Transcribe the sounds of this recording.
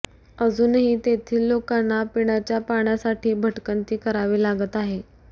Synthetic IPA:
əd͡zuːnɦiːt̪et̪ʰiːlːokanːapiɳ̃at͡ɕjapaɳjasaʈʰiːbʱəʈkənt̪iːkəɾaʋiːlaɡət̪aɦe

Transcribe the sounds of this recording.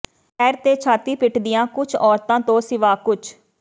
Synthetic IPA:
ɛːɾt̪eːt͡ʃʰaːt̪iːpɪʈʰd̪ɪjãːkʊt͡ʃʰɔːɾt̪ãːt̪õːsɪʋaːkʊt͡ʃʰ

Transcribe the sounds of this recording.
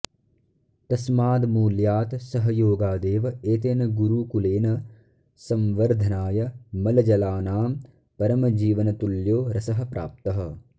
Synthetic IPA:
t̪ɐsmaːd̪muːljaːt̪sɐɦɐjoːɡaːd̪eːʋɐeːt̪̬eːnɐɡuɾuːkuleːnɐ | sɐmʋɐɾd̪ʱɐnaːjɐmɐlɐd͡ʒɐlaːnaːm | pɐɾɐmɐd͡ʒiːʋɐnɐt̪uljoːɾɐsɐɦɐ̆pɾa̰ːp̚t̪ɐɦɐ̆

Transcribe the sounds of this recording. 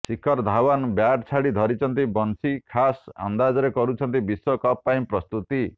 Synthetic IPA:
sikʰɔɾd̪ʱawanbjaʈt͡ʃʰaɽid̪ʱɔɾit͡ʃʰɔnt̪ibɔnsikʰasa̰nd̪ad͡ʒɔɾekɔɾut͡ʃʰɔnt̪ibiswɔkɔpːaĩpɾɔst̪ut̪i

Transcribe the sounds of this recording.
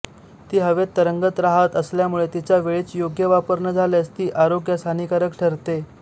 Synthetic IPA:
t̪iːɦəʋet̪ːəɾəŋɡət̪ɾaɦət̪əsljamuɭet̪it͡ɕjaʋeɭiːt͡sjoɡjəʋapəɾɳəd͡zʱaljast̪iːʔaɾoɡjəst̪ʰanikaɾəkʈʰəɾt̪e

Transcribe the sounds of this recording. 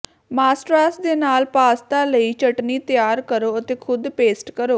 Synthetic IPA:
maːsʈɾaːsd̪eːnaːlpaːst̪aːləiːt͡ʃəʈniːt̪ɪjaːɾkəɾoːət̪eːkʰʊd̪peːsʈkəɾoː

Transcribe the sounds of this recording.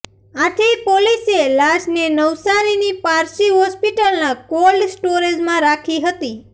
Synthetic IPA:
aʈʰipoliselaʃnenəʋsaɾinipaɾsiɦɔspiʈəlnakolsʈoɾed͡ʒmãɾakʰiɦət̪i

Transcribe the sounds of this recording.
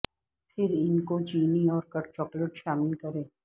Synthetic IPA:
pʰɪɾɪnkot͡ʃiːniɔːɾkɐʈt͡ʃɔːkləʈʃaːmɪlkɐɾẽː

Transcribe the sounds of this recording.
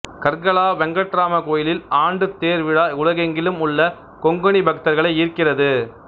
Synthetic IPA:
kɐɾɣɐɭaːʋɛŋɡɐʈraːmɐkoːjɪlɪlaːɳɖɯt̪eːɾʋɪɽaːʊlɐɣɐŋɡɪlɯmʊɭːɐ | kɔŋɡɯɳibʱɐk̚t̪ɐɾɣɐɭɐɪɪɾkːɪrɐðɯ

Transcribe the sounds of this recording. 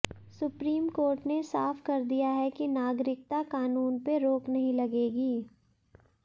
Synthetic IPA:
sʊpɾiːmkoːɾʈnesaːfkɐɾd̪ijaɦɛkinaːɡɾɪk̚t̪akaːnuːnpeɾoːknɐɦĩlɐɡeːɡiː

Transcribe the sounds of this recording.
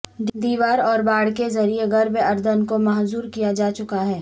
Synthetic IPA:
d̪iːʋaːɾɔːɾbaːɽ̤kezɐɾieɡɐɾbeɐɾd̪ənkomɐɦzuːɾkijad͡ʒaːt͡ʃʊkaɦɛː

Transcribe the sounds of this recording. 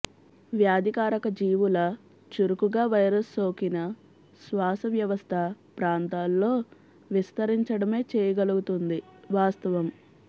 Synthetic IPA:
ʋjaːd̪ʱikaːɾɐkɐd͡ʒiːʋulɐ | t͡ʃuɾukuɡaːʋɐjɾɐsːo̞ːkinɐ | sʋaːsɐʋjɐʋɐst̪ʰɐpɾaːnt̪aːlːo̞ː | ʋist̪ɐɾiɲt͡ʃɐɽɐme̞ːt͡ʃeːjɐɡɐluɡut̪und̪iʋaːst̪ɐʋɐm

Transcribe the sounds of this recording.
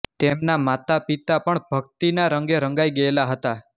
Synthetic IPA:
t̪emnamat̪apit̪apəɳbʱəkt̪inaɾəŋɡeɾə̃ŋɡajɡəelaɦət̪a

